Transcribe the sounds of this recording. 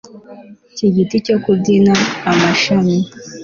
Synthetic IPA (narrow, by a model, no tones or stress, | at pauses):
ciɟiticokubɟinaːmaʃami